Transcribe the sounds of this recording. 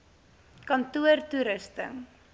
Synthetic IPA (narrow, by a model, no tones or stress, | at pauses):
kɐntuərtuɾəstə̰ŋ